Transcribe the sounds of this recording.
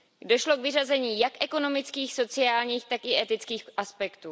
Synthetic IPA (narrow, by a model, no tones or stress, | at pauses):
doʃlo̞kvɪrazɛɲiːjakʔɛko̞no̞mɪt͡skiːxso̞t͡sɪaːlɲiːxt̪akɪʔɛt̪ɪt͡skiːxʔaspɛkt̪uː